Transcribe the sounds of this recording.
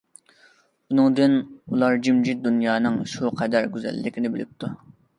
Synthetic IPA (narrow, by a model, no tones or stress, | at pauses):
unɨŋd̪ɨnulˠɑɾd͡ʒimd͡ʒit̪̚d̪unjɑːnɨŋʃuqʰɛd̪æɾɡʲyzɛ̰lːɪkʲinɪbɪlɪ̰p̚t̪ʰu